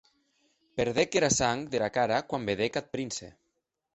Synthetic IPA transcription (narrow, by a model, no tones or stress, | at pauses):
peɾðekeɾasaŋðelakaɾakwambeðekat̪̚pɾinsḛ